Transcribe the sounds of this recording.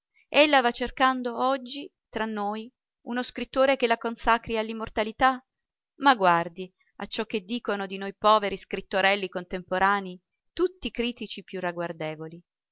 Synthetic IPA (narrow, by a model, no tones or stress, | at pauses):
elːavat͡ʃːerkand̪oɔd͡ʒːi | t̪ɾanːoj | unoskɾit̪ːoːɾekelakonsakɾialːimːort̪alit̪a | maɡward̪i | a̰t͡ʃːɔk̟ːed̪ːiːkonod̪inojpɔːveɾiskɾit̪ːoɾɛlːikont̪empoɾaːni | t̪ut̪ːikɾiːt̪it͡ʃipjuraɡward̪ɛːvoli